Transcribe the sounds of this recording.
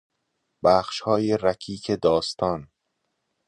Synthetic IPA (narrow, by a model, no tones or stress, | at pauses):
bæːxʃhɒːjeɾæcʰiːcʰed̪ɒːst̪ʰɒːn